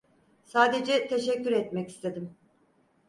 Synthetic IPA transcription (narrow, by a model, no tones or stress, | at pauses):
saːd̪e̞d͡ʒɛt̪ʰe̞ʃɛcːyɾɛt̪mɛci̥st̪ʰe̞d̪im